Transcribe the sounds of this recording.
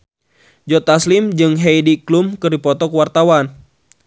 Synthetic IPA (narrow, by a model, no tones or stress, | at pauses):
d͡ʒɔt̪aslimd͡ʒɨŋɦejdiklumkɨrdipɔt̪ɔkwart̪awan